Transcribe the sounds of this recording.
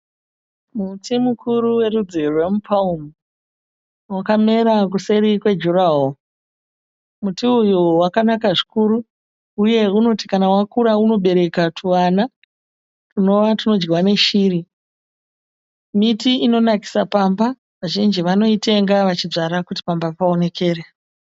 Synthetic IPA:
mutimukʰuɾuwe̞ɾud͡zerwemupʰaumu | wakame̞ɾak̬use̞ɾikwe̞d͡ʒuraɦo | mutiujuwakanakaʐikuɾu | uje̞uno̞tikanawakuɾauno̞ɓe̞ɾe̞katʰuwana | runo̞ʋatino̞d͡ʒɡiwane̞ʃiːɾi | mitiino̞naki̥sapamba | ʋaʒind͡ʒiʋano̞itʰe̞ŋɡaʋat͡ʃid͡zaɾakuti̥pambapao̞ne̞kʰe̞ːre

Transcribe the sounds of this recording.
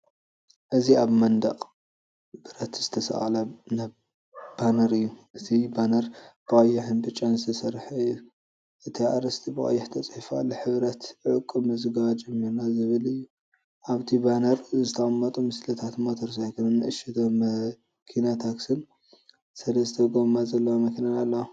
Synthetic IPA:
ʔɨziaβmɐnd̪a̰qʼ | bɨɾɐt̪z̥ɨt̪ʰɐsɐ̰ʔalana | b̥anɐɾɨjːuʔɨt̪ʰibanɐɾb̥ɨɐjːɪħɨnbɨt͡ʃʼːanzɨt̪ʰɐsɐɾħu | ʔɨt̪ʰia̰ɾɐst̪ʰibɨɣʼɐ̰jːɛħt̪ʰɐt͡sʼħifa̰lːoħɨβɾɐt̪ʕɨkʼːɨmɨzɨɡad͡ʒɛmːiɾnazɨβɨlɨjːu | ʔaβt̪ʰibanɐɾzɨt̪ʰɐʔʼɐmːɐt̪ʼumɨslɐt̪ʰat̪mot̪ʰoɾsajkʰɨnɨnːɨʔɨʃɛt̪ʰom | kʰinat̪ʰaksɨn | sɐlɐzɨt̪ʰɐɡomazɐlːɐwamɐkʰinajalːɐwa

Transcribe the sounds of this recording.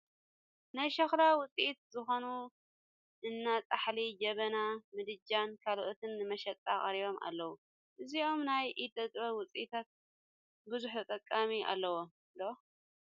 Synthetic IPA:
najʃɐxɾawʊt͡sʼiʔit̪̚zɨxo̞nu | ʔɨnːat͡sʼaħlid͡ʒɐβɐnamɨd̪ɨd͡ʒankʰalʔot̪ʰɨnːɨmɐʃɐt͡s̪ʼakʼɐɾiβo̞mʔa̰lːɐwu | ʔɨziʔo̞mnajʔit̪ʼɐt̪ʼβɐwʊt͡sʼiʔit̪ʰat̪̚ | bɨzuħut̪ʼɐkʼːamiʔa̰lːɐwo | ldo

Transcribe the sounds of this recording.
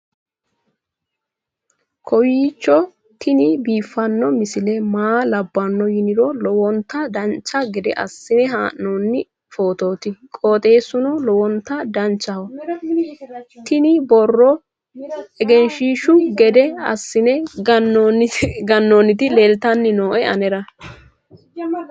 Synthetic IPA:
kʰɔwiːt͡ʃːɔ | t̪ʰɪnɪbiːfːɐnːɔmɪsɪlɛmaːlɐbːɐnːɔjɪnɪd̪ɔlɔwɔnt̪ːɐd̪ɐnt͡ʃːɐɡɛd̪ɛ̰ʔɐ̰sːɪnɛɦaːʔnonːɪ | foːt̪o̞ːt̪ɪkʼo̞ːt̪ʼe̞ːsʊnɔlɔwɔnt̪ːɐd̪ɐnt͡ʃːɐhɔ | t̪ɪnɪbɔrːɔ | ɛɡɛnʃiːʃʊɡɛd̪ɛɐ̰sːɪnɛɡɐnːnɡɐnːonːɪt̪ɪleːlt̪ɐnːɪnoːʔɛɐnɛɾɐ

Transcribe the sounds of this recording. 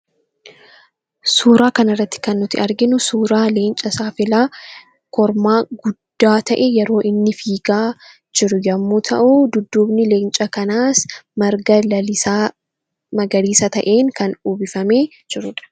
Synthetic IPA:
suːɾaːkɐnɐrːɐt̪ːɪ̥kɐnːʊt̪ɪɐɾɡɪnʊsuːɾaːleːnt͡ʃʼɐsaːfɪlaː | kɔɾmaːɡʊd̪ːaːt̪ɐʔejɛɾo̞ːʔɪnːɪfiːɡaː | d͡ʒɪɾʊjɐmːuːt̪ʰɐ̰ʔuːd̪ʊd̪ːuːbnɪle̞ːnt͡ʃʼɐkɐnaːsmɐɾɡɐlɐlɪsa | mɐɡɐɾiːsɐt̪ɐʔeːŋkɐnuːbɪfɐme̞ː | d͡ʒɪɾʊᶑɐ̥

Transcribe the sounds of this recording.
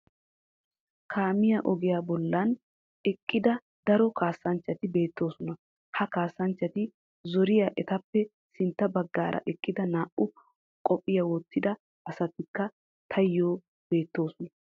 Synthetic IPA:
kʰaːmɪjɐʔɔɡɪjaːbɔlːɐn | ɛkʼːɪd̪ɐ | d̪̥ɐɾɔkʰaːsːɐnt͡ʃːɐt̪ɪbe̞ːt̪ːo̞ːsɔnɐ | hɐkaːsːɐnt͡ʃːɐt̪ɪ | zɔɾɪjaʔɛt̪ɐpːɛ | sɪnt̪ːɐbɐɡːaːɾʔɐ̰ʔɛkʼːɪd̪ɐnaːʔʊ | kʼɔpʼːɪjɐwɔt̪ːɪd̪ɐ | ɐsɐt̪ɪkːɐ | t̪ʰɐjːoː | b̥e̞ːt̪ːo̞ːsɔnɐ

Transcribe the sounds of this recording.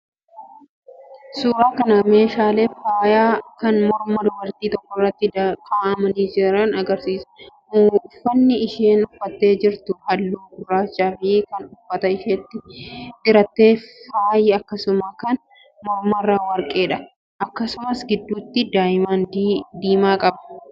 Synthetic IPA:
suːɾaːkɐnɐme̞ːʃaːle̞ːfaːjaːkɐnmɔɾmɐd̪ʊbɐɾt̪iːt̪ɔkːɔrːɐt̪ːɪkʰʼaːʔɐmɐniːd͡ʒɪɾɐnɐɡɐɾsiːsɐ̥ | fːɐnːɪɪʃeːnʊfːɐt̪ːe̞ːd͡ʒɪɾt̪ʊhɐlːuːɡʊrːaːt͡ʃːaːfɪkɐnʊfːɐt̪ɐɪʃeːt̪ːɪʔɪɾɐt̪ːe̞ːfaːjɪɐkːɐsʊmakɐn | mɔɾmɐrːaːwɐɾkʼe̞ːᶑɐ | ʔɐkːɐsʊmɐsɡɪd̪ːuːt̪ːɪd̪aːjɪmaːnd̪iːmaːkʼɐbɐ

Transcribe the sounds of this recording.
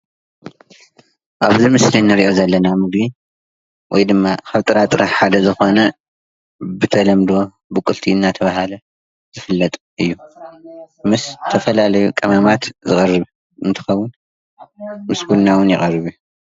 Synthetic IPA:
ʔaβzimɨslinːɨɾiʔo̞zɐlːɐnamɨɡni | wʔɔjd̪ɨmːakʰɐβt̪ʼɨɾat̪ʼɨɾaħad̪ɐzɨxo̞nɐ | bɨt̪ʰɐlɐmd̪o̞ | bɨkʼɨlt̪ʰiɨnːat̪ʰɐβahalɐ | z̥ɨfɨlːɐt̪ʼ | ʔɨjːu | mɨst̪ʰɐfɐlalɐjukʼɐmamat̪zɨkʼɐrːɨβu | ʔɨnt̪ʰɨ̥xɐwːʊn | mɨsbulnawʊnjɪχʼɐrːɨβu

